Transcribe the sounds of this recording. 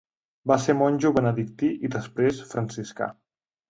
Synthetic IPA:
basemɔnʲʒuβənəðik̚t̪iʔiðəspɾesfɾənsiska̰

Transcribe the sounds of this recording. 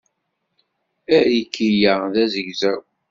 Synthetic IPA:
æɾəkːijæðæzəʝzæw

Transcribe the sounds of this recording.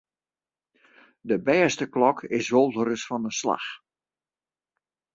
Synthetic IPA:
dəbɛːstəklɔkʰɪsʋolˠdəɾəsfɔnəsla̰x

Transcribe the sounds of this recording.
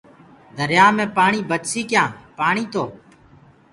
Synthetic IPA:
d̪ʱəɾjaːmẽːpaːɳiːbət̪siːkjãːpaːɳiːt̪ʰoː

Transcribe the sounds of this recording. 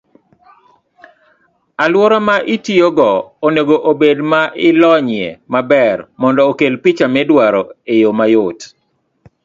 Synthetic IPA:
alwɔɾɔmaʔɪtioɡɔoneɡoʔobedmaʔɪlɔɲɪɛ̰mabɛrmɔndɔːkelpit͡ʃamɛdwaɾɔejomajot

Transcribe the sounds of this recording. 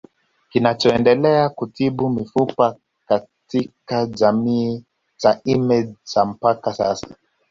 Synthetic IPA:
kinat͡ʃɔɛndɛlɛakutiɓumifupa | katikad͡ʒamiː | zaimɛd͡ʒzam̩pakasa̰sḁ

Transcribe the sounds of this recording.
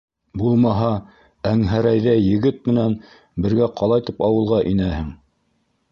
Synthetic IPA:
bulˠmɑɦɑ | æŋɦæɾæjðæjɘ̆ɡɘt̪̚mɘ̆næn | bɘ̆ɾɡæqɑlˠɑjt̪ipɑwɤ̆lˠʁɑʔinæhɘŋ

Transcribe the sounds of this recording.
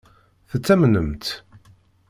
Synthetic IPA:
θət͡sːæmnəmt̪

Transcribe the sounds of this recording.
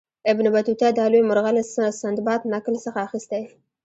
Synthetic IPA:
ɪbnɪbat̪ut̪ad̪alojmʊɾɣalasand̪bɑt̪naklsəxaːxist̪aj

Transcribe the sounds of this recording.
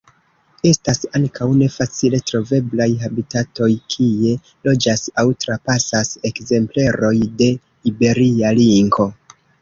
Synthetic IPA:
e̞stasaŋkʰawne̞fat͡sile̞tɾo̞ve̞blajɦabitato̞jkʰie̞ | lo̞d͡ʒasawtɾapasase̞kze̞mple̞ɾo̞jde̞ | ibe̞ɾialiŋɡo̞

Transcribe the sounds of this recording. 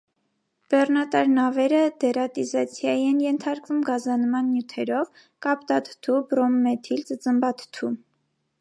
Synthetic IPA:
b̥ɛrnɑt̪ɑɾnɑvɛɾəd̪ɛɾɑt̪izɑt͡sʰjɑjiɛnjɛnt̪ʰɑɾkvumɡɑzɑnmɑnːjut̪ʰɛɾɔv | kɑpt̪ɑt̪ʰt̪ʰubɾɔmːɛt̪ʰilt͡sət͡səmbɑt̪ʰt̪ʰu

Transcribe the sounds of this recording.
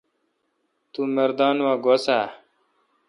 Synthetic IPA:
t̪umɐɾd̪aːnwãːɡosa

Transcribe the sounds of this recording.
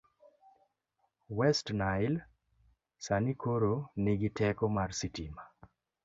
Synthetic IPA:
wɛstnajl | sanikoɾoniɡɪtɛkɔmarsitima

